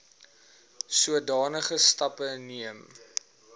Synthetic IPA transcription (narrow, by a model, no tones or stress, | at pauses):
suədɑːnəχəstɐpəniəm